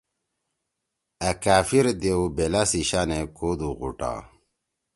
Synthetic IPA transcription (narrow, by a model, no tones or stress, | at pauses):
ɐkaːfiɾd̪ewbelasiɕanekod̪uɣṵʈa̰